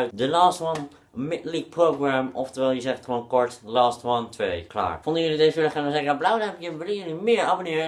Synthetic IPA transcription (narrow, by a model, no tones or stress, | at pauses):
ɥtdəlaːstʋʌn | mɪtlik̚prowɡramɔ̰ftɛɹʋɛlˠjəzɛχtχəʋownkɔɹtlaːstʋɑntʋejkla̰ːɹfɔndəjəlidezɪlχanəzekəablawənɛpjəʋɪləjənymɪːɹɑbonɪːɹə